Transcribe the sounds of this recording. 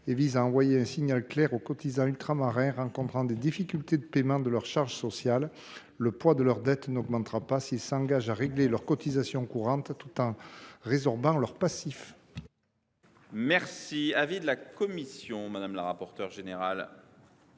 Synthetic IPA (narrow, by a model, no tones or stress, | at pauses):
evizaɑ̃vwajeɛ̃siɲalklɛʁokɔt̪izɑ̃ylt̪χamaʁɛ̃ʁɑ̃kɔ̃t̪χɑ̃d̪ed̪ifikʲylt̪ed̪əpemɑ̃d̪əlœʁʃaʁʒəsɔsjalː | əpwad̪əlœʁd̪ɛt̪nɔɡmɑ̃t̪ʁapasilsɑ̃ŋɡaʒaʁeɡlelœʁkɔt̪izasjɔ̃kuʁɑ̃t̪ːut̪ɑ̃ʁezɔʁbɑ̃lœʁpasif | mɛʁsiavid̪lakɔmisjɔ̃mad̪amla̰ʁapɔʁt̪œʁʒeneʁa̰l